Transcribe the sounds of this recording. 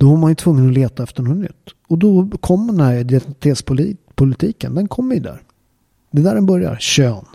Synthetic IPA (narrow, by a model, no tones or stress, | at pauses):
d̪̥ɔvaɾmanjɵt̪ʰvɵŋːənɔleːt̪aɛft̪əɳɔt̪nʏ̰t̪ːɔd̪ɔkʰɔmːd̪ɛnæɾɛd̪ɪɛt̪ʰeːt̪spʊlpʰʊlɪt̪ʰiːkənd̪ɛnkʰɔmːɪd̪æ̰ːɾ | d̪ɛd̪æːɾɛnbœɾja̰ɾɕøːn